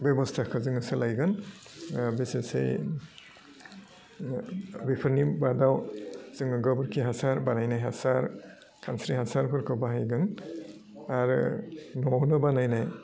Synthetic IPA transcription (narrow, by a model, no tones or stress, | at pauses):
bjɔbɔstʰakʰɯzɯŋɯsɯlajɡɯn | bisesḛj | bipʰɯɾnibadawz̥ɯŋɯɡɔbɯɾkʰiɦasaɾbanajnajɦasaɾ | kʰansɾihasaɾpʰɯɾkʰɔwbaɦajɡɯn | aɾɯ̰nɔwnɯbanajnaj